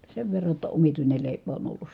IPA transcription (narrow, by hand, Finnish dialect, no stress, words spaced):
seʋ ʋerːɑ tːɑ omituinel leˑipæ on olːus